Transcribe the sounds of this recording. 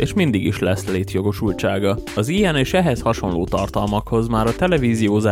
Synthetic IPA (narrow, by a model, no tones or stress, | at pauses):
eːʃmind̪iɡiʃlɛsleːt̪jo̞ɡo̞ʃult͡ʃaːɡɒɒzijɛneːʃɛɦɛshɒʃo̞nloːt̪ɒrt̪ɒlmɒkho̞zmaːɾɒt̪ɛlɛviːzijoːza